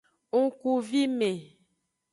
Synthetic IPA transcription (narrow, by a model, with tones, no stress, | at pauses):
ŋu˦ku˨vi˦me˨